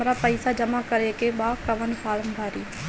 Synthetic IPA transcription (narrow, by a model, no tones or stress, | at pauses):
ɾaːpəɪsaːd͡ʒəmaːkəɾeːkeːbaːkəʋənpʰaːləmbʱaːɾiː